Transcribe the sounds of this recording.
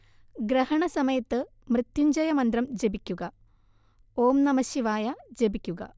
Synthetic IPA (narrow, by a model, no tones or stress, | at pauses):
ɡɾɐhɐɳɐsɐmɐjɐt̪ːɨ | mrɨt̪jiɲd͡ʑɐjɐmɐnd̪rɐmd͡ʑebikʲːuɣɐ | o̞ːmnɐmɐɕjiʋaːjɐd͡ʑebikʲːuɣɐ̰